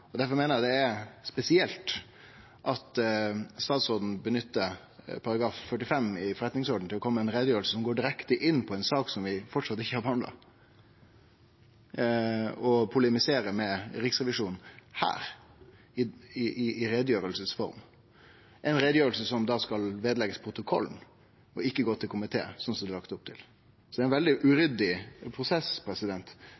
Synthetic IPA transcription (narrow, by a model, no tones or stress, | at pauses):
ɔd̪æɾfɔɾmeːnəɾjæd̪ɛæɾspɛsɪɛlt̪ | ʔɑt̪st̪ɑːt̪sɔd̪n̩bənʏt̪ːə | pʰɑɾɑɡɾɑːffœʈːɪfɛmːɪfɔɾɛt̪nɪŋsɔɖn̩t̪ɪlːɔkʰɔmːəɛɪnɾeːd̪jøːɾəlsəsɔmɡoːɖɪɾɛkt̪əʔɪnːpʰɔɛɪnsɑːksɔmʋɪfɔʈʂɑt̪ːɪçəhɑɾbəhɑnd̪ɑ̰ | ɔpʰʊlɛmɪseːɾəmɛɾɪksʁɛʋɪʂuːnn̩hæ̰ːɾ | ɪɪʔɪʔːɾɛd̪əjøːɾəlsəsfɔ̰ɾm | ʔɛɪnɾeːd̪əjøːɾəlsəsɔmd̪ɑskɑlʋeːd̪əlɛɡəspʰɾʊt̪ʊkʰɔ̰lːn̩ | ɔɪkːəɡoːt̪ʰɪlkʰʊmɪt̪ʰḛːsɔnsɔmd̪ɛlɑkt̪ʊp̚t̪ʰɪl | sɔd̪ɛæɪnʋɛld̪ɪʔʉɾʏd̪ɪpʰɾʊsɛspʰɾɛsɪd̪ɛnt̪